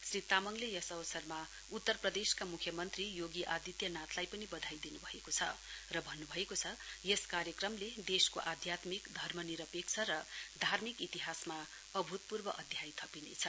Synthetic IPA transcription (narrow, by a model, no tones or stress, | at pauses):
srit̪ːamʌŋlejʌsʌbʌsʌrma | ut̪ːʌrprʌd̪eskamukʰjʌmʌnt̪rijoɡiʔad̪it̪jʌnat̪ʰlajpʌnibʌd̪ʱajd̪inubʱʌekot͡sʰʌ̰rʌbʱʌnːubʱʌekot͡sʰʌjeskaɾjʌkrʌmled̪eskoʔad̪ʱjat̪mikd̪ʱʌrmʌniɾʌpek̚t͡sʰʌɾʌd̪ʱarmikit̪iɦasma | ʌbʱut̪̚purbʌʔʌd̪ʱjajt̪ʰʌpinḛt͡sʰʌ